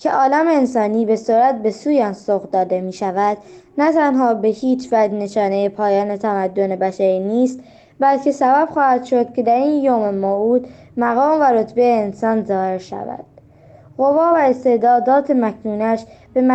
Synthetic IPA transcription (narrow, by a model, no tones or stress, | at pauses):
cʰeʔɒːlæmeːnsɒːniːbe̞soɾæt̪̚be̞suːjɒnsoɣd̪ɒːd̪e̞miːʃævæd̪̥ | næt̪ʰænɦɒːbe̞hiːt͡ʃʰvæd͡ʒne̞ʃɒːne̞jepʰɒːjɒːne̞t̪ʰæmæd̪ːo̞ne̞bæʃæɾiːniːst̪ | bælcʰe̞sæbæb̥xɒːhæd̪̥ʃo̞d̪̥̚cʰe̞d̪æɾiːnjoːmemouːd̪ | mæɣɒːmvæɾo̞t̪ʰbe̞jeːnsɒːnzɒːhe̞ɾʃæ̰væ̰d̪̥ | ɣo̞vɒːvæest̪e̞d̪ɒːd̪ɒːt̪ʰemækʰnuːnæʃb̥e̞m